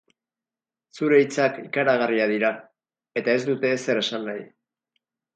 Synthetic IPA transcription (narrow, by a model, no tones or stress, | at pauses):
suɾe̞it͡sakikaɾaɣ̞ariað̞iɾa | e̞t̪ae̞zd̪ut̪e̞se̞ɾe̞sanːaj